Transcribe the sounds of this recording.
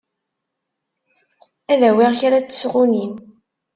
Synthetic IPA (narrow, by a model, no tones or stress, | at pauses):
æðæwiʁçaɾat͡sːə̥sʁʊnin